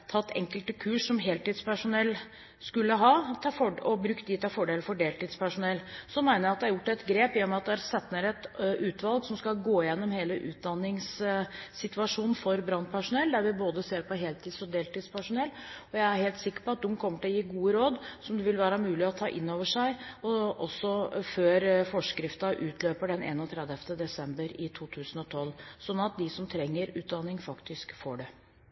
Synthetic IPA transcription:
t̪ʰɑt̪ːɛ̰ŋkəlt̪əkʰʉːʂːɔmɦeːlt̪iːd̪spʰæʂʊnɛlː | skʉlːəɦɑːt̪ʰɑːfɔɔbɾʉkt̪̚d̪iːt̪ɑfɔɖeːlfɔɖeːlt̪iːd̪spæʂʊnɛlːsɔnmæɪnəɾæɑt̪d̪ɛæɾjʊʈːɛt̪ɡɾeːpɪjɔmɛɑt̪̚d̪ɛæɾsɛt̪nəɾɛt̪ʔʉːt̪ʋɑlˠɡsɔmskɑlɡoːɪjɛnːɔmheːləʔʉːt̪̚d̪ɑnːɪŋssɪt̪ʋʉɑʂuːnn̩fɔɾbɾɑnːpʰæʂʊnɛlːd̪æɾʋɪboːd̪əseːɾpʰɔɦeːlt̪ʰiːd̪sɔd̪eːlt̪iːd̪spʰæʂʊnɛlːɔjæɪæɾheːlt̪sɪkːə̥ɾpɔɑt̪̚d̪ʊmkʰɔmːəʈɪlɔjiːɡuːəɾoːd̪sɔmd̪ɛʋɪlʋæːɾɑmʉːlɪɔt̪ʰɑ̰ːʔɪnːoːʋəʂæɪɔʔɔsːɔføːɾfɔʂkɾɪft̪ɑʔʉːt̪ʰløːpəɖɛnḛːnɔt̪ʰɾɛd̪əft̪əd̪ɛsɛmbəɾɪt̪ʰuːt̪ʰʉːsənɔt̪ʰɔlsɔnːɑt̪̚d̪ɪsɔmt̪ʰɾɛŋːəɾʉːt̪̚d̪ɑnːɪŋfɑkt̪ɪskfoːɖɛ

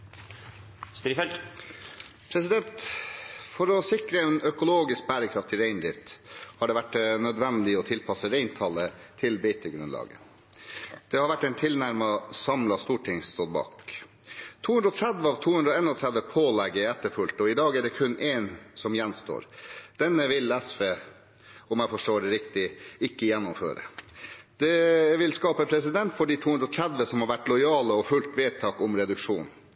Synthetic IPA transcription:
st̪ɾifɛ | pʰɾɛsɪd̪ɛnt̪ | fɔɾɔsɪkɾəɛnœkʊloːɡɪsk̚bæːɾəkʰɾɑft̪ʰɪɾeɪnd̪ɾɪft̪hɑɖɛːʋæʈːnœd̪ʋɛnd̪lɪɔt̪ʰɪlpʰɑsəɾeɪnt̪ʰɑlət̪ʰɪlbɛɪt̪əɡɾʉnlɑ̰ːɡə | d̪̥ɛːhɑɾʋæʈːɛnt̪ʰɪlnæɾmɑsɑmlɑst̪uːʈʰɪŋst̪oːɾbɑ̰ːk | t̪ʰuːhʉnɾɔt̪ʰɾæd̪ʋəɑːʋt̪ʰuːhʉnɾɔeːnɔt̪ʰɾæd̪ʋəpʰoːlɛɡːəɛɛt̪ːəɾfʉlt̪ɔɪd̪ɑːɡæɖɛkʰʉnːʔeːnsɔmjɛnst̪o̰ːɾd̪̥ɛnːəʋɪlɛsfeː | ɔmjæfɔʂʈoːɖɛɾɪkt̪ɪɪkːəjɛnːʊmfø̰ːɾə̰d̪̥ɛʋɪlskɑːpəpʰɾɛsɪd̪ɛnt̪fɔɖiːt̪ʰuːʉnd̪ɾɔt̪ʰɾæd̪ʋəsɔmhɑɾʋæʈːlɔɪɑːləɔfʉlt̪ʋeːt̪ʰɑːkɔmɾɛd̪ʉkʂuːn

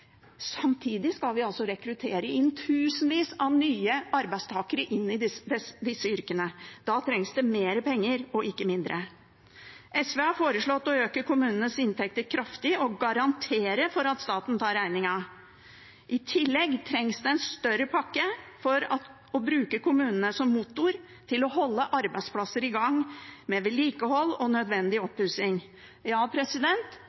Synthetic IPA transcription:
sɑmt̪ʰiːd̪ɪskɑlʋɪɑlsɔɾɛkɾʉt̪ʰeːɾəɪnt̪ʰʉːsənʋiːsɑnyːəɑɾbæɪst̪ʰɑːkəɾəʔɪnːɪd̪ɪsd̪ɛsd̪ɪsːəʏɾkənəd̪̥ɑt̪ʰɾɛŋsd̪ɛmeːɾəpʰɛŋːəɾɔɪkːəmɪnd̪ɾʔə | ʔɛsʋeːɑfoːɾəʂɭɔt̪ːɔøːkəkʊmʉːnənəsɪnt̪ʰɛk̚t̪əɾkʰɾɑft̪ɪɔɡɑɾɑnt̪ʰeːɾəfɔɾɑt̪st̪ɑːt̪n̩t̪ʰɑːɾæɪnɪŋɑ | ʔɪt̪ʰɪlːɛɡːt̪ʰɾɛŋsd̪ɛɛnst̪œɾəpʰɑkːəfɔɾɑ | ɔbɾʉːkəkʰʊmʉːnənəsɔmːuːt̪ʊɾ | t̪ʰɪlɔɦɔlːəʔɑɾbæɪd̪spʰlɑsəɾɪɡɑŋmɛʋɛliːkəhɔlːɔnœd̪ʋɛnd̪ɪɔpːʉsɪŋ | jɑːpʰɾɛsɪd̪ɛnt̪

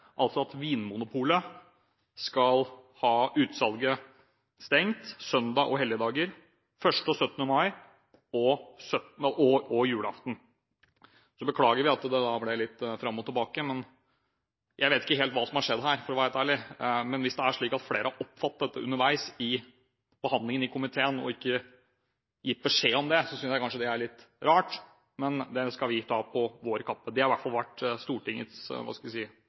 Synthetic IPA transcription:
ʔɑlt̪sɔɑt̪ʋiːnmʊnʊpʰuːlə | skɑlhɑːʉːt̪sɑlɡə | st̪ɛŋt̪sœnd̪ɑʔɔɦɛljəd̪ɑːɡəɾ | fœʂʈəɔsœt̪ːənəmɑɪ | ɔsœt̪nəʔɔɔjʉːləɑ̰ft̪n̩ | sɔbəkʰlɑːɡəɾʋɪɑt̪d̪ɛd̪ɑblɪlɪt̪ːfɾɑmːɔt̪ʰːɪlbɑːkəmɛn | jʔæɪʋeːt̪ɪkːəɦeːlt̪ʋɑːsɔmhɑʂɛd̪ɦæːɾfɔɾɔʋææɪt̪æːɭɪmɛnʋɪsd̪ɛæʂɭiːkɑt̪fleːɾəhɑɾʔɔpːfɑt̪̚d̪ɛt̪ːəʉ̰nːəɾʋæɪsɪ | b̥əhɑnd̪lɪŋənɪkʰʊmɪt̪ʰeːənɔ̰ɪkːə | jɪt̪̚ːbəʂeːɔmd̪ɛsɔsʏnsjæɪkɑnʂəd̪ɛæɭɪt̪ːɾɑːʈ | mɛnd̪ɛskɑlʋɪt̪ʰɑːpʰɔʋoːɾəkʰɑpːəd̪ɛhɑɾʋæʈfɑlʋæʈːst̪uːʈɪŋːə̰t̪sʋɑ̰ːskɑlʋɪsiːə

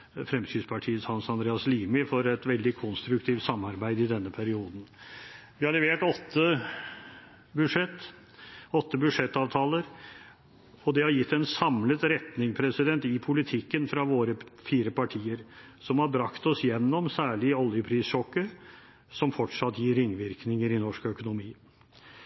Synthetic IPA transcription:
fɾɛmsyːspʰɑʈʰiːət̪sɑnsɑnd̪ɾeːɑsliːmɪfɔɾɛt̪ʋɛld̪ɪkʰɔnst̪ɾʉk̚t̪ʰiːft̪sɑmːɑɾbæɪd̪ɪd̪ɛnːəpʰæɾɪuːd̪n̩ʋɪhɑɭɛʋeːʈɔt̪ːə | bʉʂɛt̪ː | ɔt̪ːəbʉd̪ʂɛt̪ːɑːʋt̪ʰɑːləɾ | ɔd̪ɛhɑɾjɪt̪ːɛnsɑmlət̪ɾɛt̪nɪŋpʰɾɛsɪd̪ɛnt̪ɪpʰʊlɪt̪ʰɪkːənfɾɑʋoːɾəfiːɾəpɑʈʰiːəɾ | sɔmhɑbɾɑkt̪ɔsjɛnːɔmsæːɭɪɔljəpʰɾiːsʂɔkːə | sɔmfɔʈʂɑt̪ːjiːɾːɪŋːʋɪɾknɪŋəɾɪnɔʂkœkʊnʊmiː

